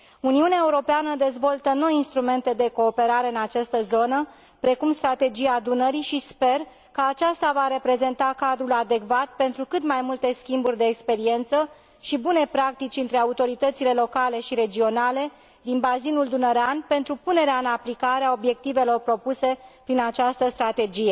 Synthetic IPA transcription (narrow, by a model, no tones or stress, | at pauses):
uniuneaeuɾo̞peanəd̪e̞zvo̞lt̪əno̞jinst̪ɾume̞nt̪e̞d̪e̞ko̞ːpe̞ɾaɾe̞ɨnat͡ʃast̪əzo̞nə | pɾe̞kumst̪ɾat̪e̞d͡ʒijad̪unəɾiʃispe̞r | kəat͡ʃast̪avaɾe̞pɾe̞ze̞nt̪akad̪ɾulad̪e̞kvat̪pe̞nt̪ɾukɨt̪majmult̪e̞skʲimburʲd̪e̞ːkspe̞ɾie̞nt̪sə | ʃibune̞pɾak̚t̪it͡ʃʲɨnt̪ɾe̞aut̪o̞ɾit̪ət̪sile̞lo̞kale̞ʃiɾe̞d͡ʒio̞nale̞ | d̪inbazinuld̪unəɾeanpe̞nt̪ɾupune̞ɾeaɨnaplikaɾeao̞bje̞k̚t̪ive̞lo̞rpɾo̞puse̞pɾinat͡ʃast̪əst̪ɾat̪e̞d͡ʒije̞